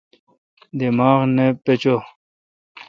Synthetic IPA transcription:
d̪imaːʁnepet͡ɕo

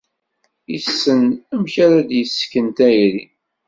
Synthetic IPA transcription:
jisːənæmçaɾad̪jəsːkːənt̪æjɾi

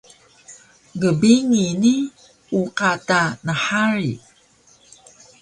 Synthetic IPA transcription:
ɡəbiŋini | uqatanəħaɾḭ

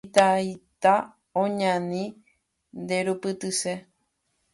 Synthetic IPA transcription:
t̪ajt̪a | õɲãnĩ | nd̪eɾupɨt̪ɨse

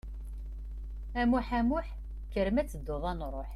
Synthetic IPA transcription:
æmuħæmʊħ | kəɾmæt͡sːəd̪ːoðˤɑnɾˤoħ

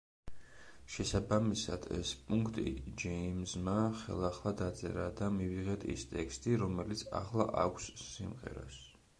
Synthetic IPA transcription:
ʃɛsabamisad̪̥ʰɛ̰spʼuŋkʰt̪ʼḭd͡ʒɛimzmaχɛ̰lˠaχlˠad̪at̪sʼɛ̰ɾad̪amiviʁɛt̪ʰʼḭst̪ʼɛkst̪ʼiɾɔmɛlit̪sʰa̰χlˠa̰ʔakʷʰsːimʁɛ̰ɾa̰s

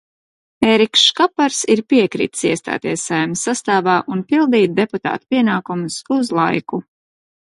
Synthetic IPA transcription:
eːɾikʃʃkapaɾsiɾpiɛkɾḭːt̪siɛst̪a̰ːt̪iɛsajmsːast̪aːvaːʔunpilˠd̪iːt̪̚d̪e̞put̪a̰ːt̪u̥piɛnaːkumʊsuzlˠajku

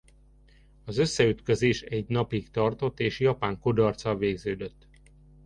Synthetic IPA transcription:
ɒzøsːɛyt̪køzeːʃɛɟnɒpikt̪ɒrt̪o̞t̪ːeːʃjɒpaːŋkud̪ɒrt̪sɒveːɡzøːd̪øt̪ː

